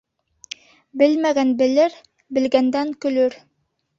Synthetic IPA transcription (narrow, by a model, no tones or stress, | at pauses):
bɘlmæɡænbɘ̆lɘɾ | bɘ̆lɡænd̪æŋkɵ̆lɵɾ